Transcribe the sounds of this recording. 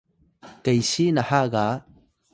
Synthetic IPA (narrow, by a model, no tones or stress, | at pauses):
kəjsinahaɡa